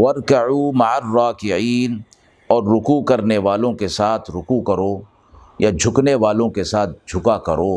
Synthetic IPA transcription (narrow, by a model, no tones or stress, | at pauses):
wɐɾkɐʕuːmɐʕərːaːkɪʕiːn | ɔːɾːʊkukɐɾneʋaːlõkesaːt̪ʰɾʊkukɐɾoː | jad͡ʒʱʊkneʋaːlõkesaːt̪̚ʰd͡ʒʱʊkakɐɾoː